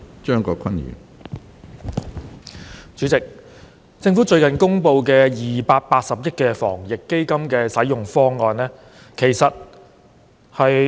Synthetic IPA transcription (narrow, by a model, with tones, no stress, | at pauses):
t͡ʃœː˥ŋkɔː˧kʰɐ˥nɥy̰ː˨˩n | t͡ʃyː˨˥t͡sɪ˨k̚ | t͡sɪ˧ŋfu˨˥t͡ʃɵ˧ɥkɐ˨˩nkʊ˥ŋpo˧wkɛː˧jiː˨paː˧t̚paː˧t̚sɐ˨p̚jɐ˥t̚kɛː˧fɔ̰ː˨˩ŋjɪ˨kːe˥jkɐ˥mkɛː˧sɐ˨˥jʊ˨ŋfɔː˥ŋːɔː˧nlɛː˥ | kʰe˨˩jsɐ˨t̚ | hɐ˨j